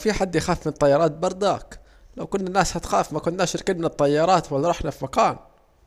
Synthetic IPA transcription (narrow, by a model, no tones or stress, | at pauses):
fiħad̪ːjxaːfmɪnt̪ˤːɑjːɑɾˤɑːt̪̚bɑɾˤd̪a̰ːk | lawkʊnːanːaːshat̪xaːfmakʊnːaːʃɾkɪːnmɪnɨt̪ˤːɑjːɑɾˤɑːt̪walːaɾˤɑħnafimakaːn